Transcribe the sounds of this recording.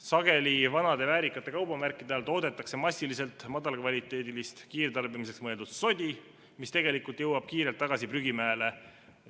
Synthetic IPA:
sɑɡ̥e̞livɑnɑd̪e̞væːɾikːˑɑt̪ˑːe̞kɑwbɑmærkːˑid̪eɑlt̪o̞ːd̪e̞t̪ːˑɑkse̞mɑsʲːilise̞lt̪ˑmɑd̪ɑlkvɑlʲit̪ːˑe̞ːd̪ilist̪kiːrt̪ɑrbimiseksmɤe̞ld̪ud̪̥so̞d̪ʲi | mist̪e̞ɡelikult̪jɤwɑb̥̚kiːɾe̞lt̪ːɑɡ̥ɑsipryɡimæele̞

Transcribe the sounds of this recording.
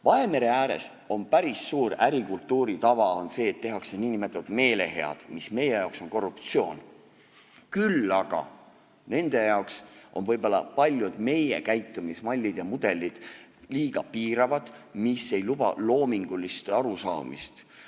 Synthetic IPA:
vɑe̞me̞ɾe̞æːɾe̞̰s | o̞npæɾisːuːɾæɾikult̪ːˑuːɾit̪ɑvɑo̞nse̞ːt̪ːe̞ɦɑkse̞niːnimet̪ːˑɑt̪me̞ːle̞̰ɦe̞ɑ̰d̪̥misme̞je̞jɑˑwksonko̞rːupt̪sio̞ːn | kylːɑɡ̥ɑ̰ | ne̞nd̪̥e̞jɑoksʔo̞nvɤjbolːɑpɑlʲjud̪̥me̞je̞̰kæjt̪ːˑumismɑlʲːid̪̥jɑmud̪̥e̞lid̪̥liːɡ̥ɑpiːɾɑvɑd̪̥misːe̞jlub̥ɑ̰lo̞ːmiŋɡ̥ulːist̪ɑɾusɑ̰ːmḭst̪

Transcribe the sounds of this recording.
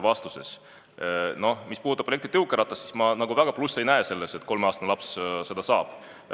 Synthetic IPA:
vɑst̪use̞̰s | no̞hmispud̪ut̪ːˑɑprojek̚t̪it̪ɤuwkːˑeɾɑt̪ːˑɑssi̥smɑnɑɡuvæɡ̥ɑplusːe̞jnæese̞lːese̞t̪ko̞lmeɑːst̪ɑnlɑpsse̞d̪̥ɑsɑːb̥

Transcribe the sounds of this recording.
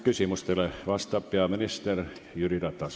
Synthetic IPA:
kysimyst̪eleʋɑst̪ɑpːeɑminist̪erjyrit̪ɑt̪ːɑs

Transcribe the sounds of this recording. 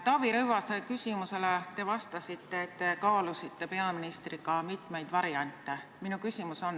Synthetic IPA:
t̪ɑviɾɤwvɑsɑjkysʲimuse̞let̪e̞vɑst̪ɑsit̪ːe̞ːt̪ːe̞kɑːlusit̪ːe̞pe̞ɑminist̪rikɑmit̪ˑme̞jd̪̥vɑɾjɑnt̪ːˑeminukysʲimuso̞n

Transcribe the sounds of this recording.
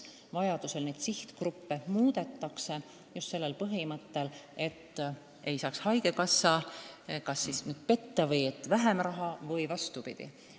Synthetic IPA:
vɑjɑd̪̥use̞lned̪̥siht̪krupːemuːd̪̥e̞t̪ːˑɑkse̞ | just̪se̞lːe̞lpɤɦimɤt̪ːe̞le̞t̪ː | e̞jsɑːkshɑjɡe̞kɑsːɑkɑsːisnyːd̪̥̚pe̞t̪ːɑvɤjet̪ːˑvæɦemrɑɦɑvɤjvɑst̪upid̪̥ḭ

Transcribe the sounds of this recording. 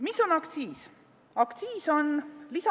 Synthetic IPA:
misonɑkt̪siːs | ɑkt̪siːso̞nlisɑ

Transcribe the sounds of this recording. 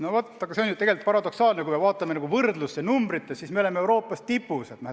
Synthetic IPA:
novot̪ːɑɡ̥ɑse̞o̞njut̪e̞ɡe̞lt̪̚ˑpɑɾɑd̪̥o̞ksɑːlnekuijme̞vɑːt̪ːˑɑmeɑɡuvɤrd̪lusːenumbɾit̪ːˑessismeo̞lemeewɾo̞ːpːˑɑst̪ipːˑuset̪nææ

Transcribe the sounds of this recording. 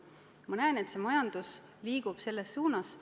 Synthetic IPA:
mɑnæene̞t̪se̞mɑjɑnd̪̥us | liːɡ̥ub̥se̞lːe̞sːuːnɑs

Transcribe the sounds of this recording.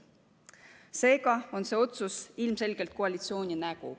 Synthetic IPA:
se̞ːɡɑo̞nse̞ːo̞t̪susilmse̞lɡ̥e̞lt̪̚koɑlʲit̪sio̞ːnʲinæɡ̥ṵ

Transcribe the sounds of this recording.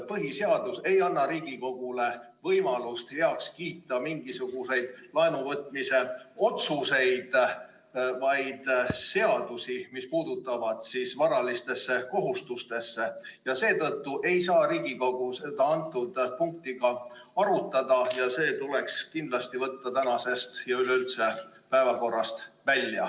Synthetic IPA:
pɤɦise̞ɑd̪̥use̞jɑnːɑɾiːɡ̥iko̞ɡ̥ule̞ | vɤjmɑlust̪he̞ɑkskiːt̪ːˑɑmiŋɡisuɡ̥use̞jd̪̥lɑenuvɤt̪ˑmise̞o̞t̪suse̞jd̪̥ | vɑjd̪̥se̞ɑd̪̥usimispuːd̪̥ut̪ːˑɑvɑd̪̥sisvɑɾɑlist̪e̞sːe̞ko̞ɦust̪ust̪e̞sːe̞jɑse̞ːt̪ɤt̪ːuʔe̞jsɑːɾiːɡ̥ikoɡ̥use̞d̪ɑɑnt̪ːˑud̪̥puŋk̚t̪iɡ̥ɑɑɾut̪ːˑɑd̪̥ɑjɑse̞ːt̪ule̞kskind̪lɑst̪ivɤt̪ːɑt̪ænɑse̞st̪jɑyleylt̪se̞ | pæevɑko̞rːɑst̪vælʲːjɑ̰

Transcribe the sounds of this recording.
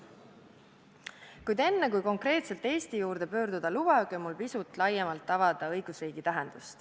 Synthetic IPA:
kujd̪e̞nːekujko̞ŋkre̞ːt̪se̞lt̪ːˑe̞ːst̪ijuːɾd̪e̞pø̞ːɾd̪ud̪̥ɑlubɑɡomulpisut̪ːˑlɑjːemɑlt̪ːɑvɑd̪̥ɑɤ̞jɡ̥usriːɡ̥it̪æɦend̪̥ust̪

